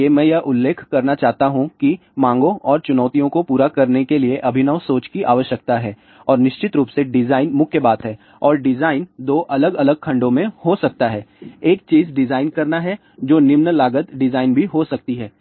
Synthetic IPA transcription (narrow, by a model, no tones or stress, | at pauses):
emɛ̃ːjɐʔʊlːeːkʰkːɐɾnat͡ʃaːɦt̪aɦũki | mãːŋɡõʔɔːɾt͡ʃʊnɔːt̪ijõkopuːɾakɐɾnekelieʔɐbʱɪnəʋsoːt͡ʃkiʔaːʋəʃjək̚t̪aɦɛː | ɔːɾnɪʃt͡ʃɪt̪ɾuːpseɖɪzaːɪnmʊkʰjəbaːt̪ɦɛː | ɔːɾɖɪzaːɪnd̪oːʔɐləɡɐləɡ̚kʰɐ̃ɳɖõmẽhosɐk̚t̪aɦɛːeːk̚t͡ʃiːzɖɪzaːɪnkɐɾnaɦɛ | d͡ʒoːnɪmnəlaːɡət̪ɖɪzaːɪnbʱiɦosɐk̚t̪iɦɛː